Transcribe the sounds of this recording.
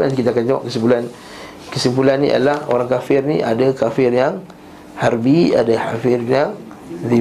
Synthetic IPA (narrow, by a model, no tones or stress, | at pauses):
nant̪ikit̪aːkand͡ʒawa̰ʔ̚kəsimpulan | kəsimpulanːḭʔa̰laho̰ɾaŋkafɪrniʔa̰dakafɪrjaŋ | haɾbia̰dahafɪrjaŋ | di